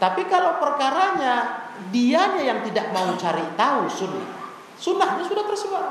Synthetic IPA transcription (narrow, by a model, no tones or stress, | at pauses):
t̪apikalawpərkaɾaɲa | diaɲajaŋt̪idaʔ̚maut͡ʃaɾit̪ausuna̰ | sunahɲasudat̪ərsifat̚